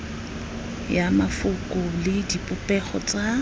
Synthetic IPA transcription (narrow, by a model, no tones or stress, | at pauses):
jamafʊkʼʊlɪdipʼʊpʼɛχɔt͡sʼa